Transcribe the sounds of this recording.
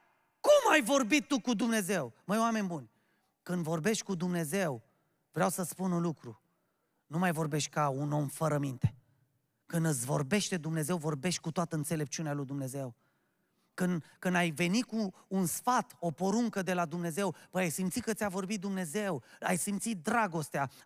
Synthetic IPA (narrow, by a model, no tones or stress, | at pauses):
kumajvo̞rbit̪ːukud̪umne̞ze̞wməjoame̞nʲbunʲ | kɨnd̪vo̞rbe̞ʃt̪̚ʲkud̪umne̞ze̞w | vɾeawsəspununlukɾu | numajvo̞rbe̞ʃt̪ʲkauno̞mfəɾəmint̪e̞̥ | kɨnd̪ɨsʲvo̞rbe̞ʃt̪e̞d̪umne̞ze̞wvo̞rbe̞ʃt̪̚ʲkut̪oat̪əɨnt̪se̞le̞p̚t͡ʃiunealujd̪umne̞ze̞w | kɨnd̪kɨnd̪ajve̞nikuːnsfat̪o̞po̞ɾuŋkəd̪e̞lad̪umne̞ze̞wpəjajsimt̪sikət̪sʲavo̞rbit̪̚d̪umne̞ze̞wajsimt̪sit̪̚d̪ɾaɡo̞st̪ea